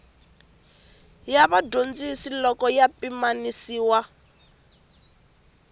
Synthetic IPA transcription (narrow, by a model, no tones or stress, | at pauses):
jaβadond͡zisilɔkɔjapimanisiːwa